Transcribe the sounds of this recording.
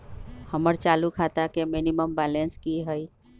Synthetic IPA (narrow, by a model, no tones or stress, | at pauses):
həməɾt͡ʃalukʰat̪akeminiməmbɛlenskiɦəj